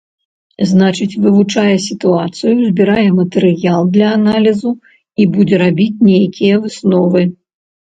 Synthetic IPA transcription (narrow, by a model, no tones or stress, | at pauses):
znat͡ʂɨt͡sʲvɨvut͡ʂajɛsʲit̪uat̪sɨjuzʲbʲiɾajɛmɐt̪ɨɾɨjalˠd̪lʲɐːnalʲizu | ibud͡zʲɛɾabʲit͡sʲnʲejakʲʰijɐvɨsnɔvɨ